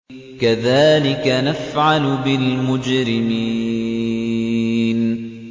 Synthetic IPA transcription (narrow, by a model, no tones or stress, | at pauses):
kaðaːlɪkanafʕalʊbɪlmʊd͡ʒɾɪmiː | n